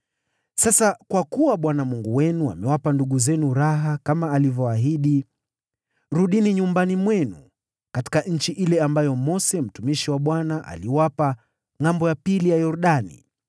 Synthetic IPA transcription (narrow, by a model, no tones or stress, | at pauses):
sasakwakuwaɓwanamuŋɡuwɛnua̰mɛwapanduɠuzɛnuɾaɦakamaːlivjɔaɦiɗi | ɾuɗiniɲumbanimwɛnu | kati̥kaɲ̩t͡ʃiʔilɛambajɔmɔsɛm̩tumiʃiwaɓwanaʔa̰liwapa | ŋambɔjapilijajɔɾuɗanḭ